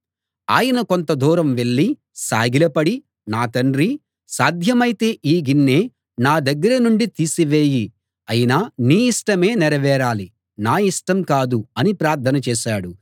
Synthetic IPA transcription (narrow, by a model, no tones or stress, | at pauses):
a̰ːjɐnɐko̞nt̪ɐd̪uːɾɐmʋe̞ɭːi | sa̰ːɡilɐpɐɽi | naːt̪ɐɳɖɾi | saːd̪ʱjɐmɐjit̪e̞ːʔiːɡinːeː | naːd̪ɐɡːɐɾɐnuɳɖit̪iːsiʋeːji | ɐjinɐniːiʂʈɐme̞ːnɛɾɐʋɛːɾaːli | naːiʂʈɐmkaːd̪uɐnipɾaːɾt̪ʰɐnɐt͡ʃɛːʃaːɽu